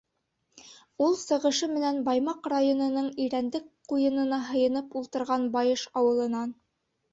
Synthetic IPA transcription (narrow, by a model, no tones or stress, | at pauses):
ulˠsɤ̆ʁɤ̆ʃɤmɘ̆nænbɑjmɑqrajonɤ̆nɤɴiɾænd̪ɘk̚qujɤ̆nɤ̆nɑɦɤ̆jɤ̆nɤpulˠt̪ɤ̆ɾʁɑnbɑjɤʃɑwɤ̆lˠɤ̆nɑn